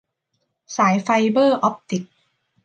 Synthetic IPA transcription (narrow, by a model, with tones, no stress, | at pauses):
saː˩˦jfa˧jbɤː˥˩ʔɔ˦˥p̚t̪i˨˩k̚